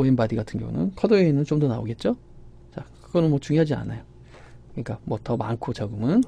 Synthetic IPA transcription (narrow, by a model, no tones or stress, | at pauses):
oenbadiɡatʰɯnɡjʌ̰ŋṵnɯ̰nkʰʌdoenɯnt͡ɕomdʌnao̰ɡe̞t̚t͡ɕ͈o | t͡ɕakɯɡʌnɯnmwʌt͡ɕuŋjoɦad͡ʑia̰na̰jo | kɯɲik͈amwʌtʌma̰nkʰot͡ɕaɡɯmɯn